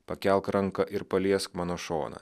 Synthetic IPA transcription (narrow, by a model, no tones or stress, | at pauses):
pɐkʲɛlˠkɾɐŋkɐʔɪɾpɐlʲiɛskmɑːnoːʃo̰ːnɐ̰